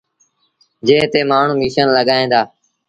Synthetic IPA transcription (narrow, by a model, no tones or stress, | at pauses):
d͡ʒẽːt̪eːmaːɳ̤ũːmiːʃənləɠaːẽːnd̪aː